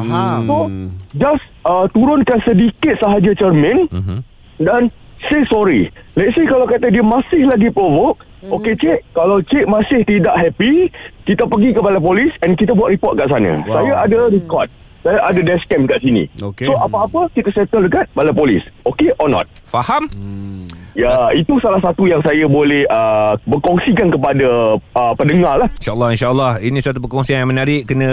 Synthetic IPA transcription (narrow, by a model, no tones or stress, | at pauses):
sod͡ʒas | ət̪uɾʊnkansədikɪt̪̚səɦad͡ʒat͡ʃərmə̃n | dansesɔɾḭlɛt̪̚sekalawkat̪adiəmãsɪhlaɡipɾovok̚ | oket͡ʃeʔkalawt͡ʃeʔ̚mãsɪht̪idaʔɦɛpikit̪apəɡikəpalap̬olisɛnkit̪abuwaʔ̪̚ɾipɔt̪̚kaʔs̬ana̰sajaʔadaɾikɔrt̪̚ | sajaʔadadɛskɛmkaʔsinḭoksoʔapaːpəkit̪asɛt̪əldəkat̪̚balapolḭsokeʔɔnɔ̰̃t̪̚ | faham | jait̪usalahsat̪ujaŋsajabolɛhəbəkɔŋsikankəpadaəpəndəŋalahinʃaəlːɑinʃaəlːɑhinĩsat̪upəkɔŋsiaŋjamənaɾiʔkənə̃